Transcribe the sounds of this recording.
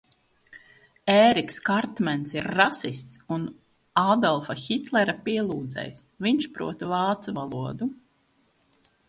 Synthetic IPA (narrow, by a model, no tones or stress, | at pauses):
ɛːɾikskaɾt̪mɛnsiɾːasist̪sun | ad̪ɔlˠfaxit̪lˠɛɾapiɛlˠuːd̪zɛ̰js | viɲʃpɾṵɔt̪vaːt̪suvalˠuɔd̪u